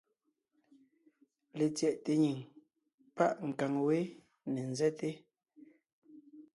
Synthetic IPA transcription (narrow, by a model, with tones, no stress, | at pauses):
le˨t͡sjɛ˨ʔte˨ɲi˨ŋ | pa˦ʔŋ̩˨ka˨ŋwe˦ | ne˨n̩˨zɛ˦te˦